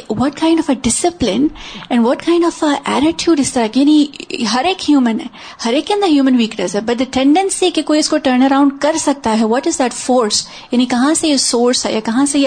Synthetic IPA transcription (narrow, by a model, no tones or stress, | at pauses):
ʋɔʈ̚kʰãɪ̃ɳɖɔfəɖɪsɪplɪ̃nɛ̃nɖʋɔʈ̚kʰãɪ̃nɖɔfəʔæ̰ɾɪʈʰjuːɖɪst̪ɐɾakjaniɦɐɾeːkhjuːmə̃nɛ | hɐɾeːkjɐ̃nd̪aɦjuːmə̃nʋiːknəsɛbɐʈ̚d̪ɐʈʰɛ̃ɳɖə̃nsikekoːiɪskoʈəɾñɐɾãʊ̃ɳɖ̚kɐɾsɐɡ̚t̪aɦɛʋɔʈɪzd̪æʈfɔːɾs | janikɐ̃ɦãseɐsoːɾsɛ̰jakɐ̃ɦãsẽ